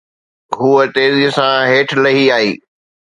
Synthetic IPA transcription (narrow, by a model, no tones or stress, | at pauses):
ɦuːət̪eːzisãɦeːʈʰlɐɦiaːɦiː